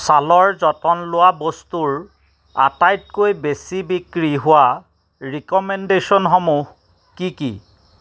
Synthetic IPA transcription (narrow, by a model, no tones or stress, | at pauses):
salɔɹzɔtɔnlʊwabostuɹ | a̰tajt̚kojbesibikɹiɦʊwa | ɹikɔmɛndesɔnxomuh | kikḭ